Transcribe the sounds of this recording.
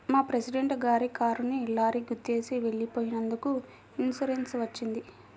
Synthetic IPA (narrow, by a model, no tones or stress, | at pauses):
maːpɾesiɖeɳʈɡaːɾikaːɾunːiːlːaːɾiɡut̪ːe̞ːsiʋe̞ɭːipoːjinɐnd̪uku | insuɾensʋɐt͡ʃːind̪i